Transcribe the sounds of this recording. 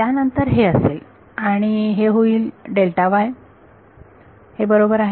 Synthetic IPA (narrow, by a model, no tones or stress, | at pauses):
t̪janənt̪əɾɦeəsel | aɽ̃iɦeɦoiːlɖelʈaʋaj | hebəɾobəɾaɦe